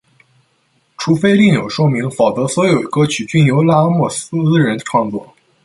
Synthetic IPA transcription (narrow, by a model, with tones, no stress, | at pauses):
ʈ͡ʂʰu˧˥fe˥ɪli˥˩ŋjo˨˩ʊʂwɔ˥mi˧˥ŋfɑ˨˩ʊt͡sɤ˧˥swɔ˧˥jo˨˩ʊ˧˥kɤ˥t͡ɕʰy˨˩t͡ɕy˥˩njo˧˥ʊla˥mwɔ˥˩su˥t͡sɹ̩˥ɻə˧˥nʈ͡ʂʰwɑ˥˧ŋt͡swɔ˥˩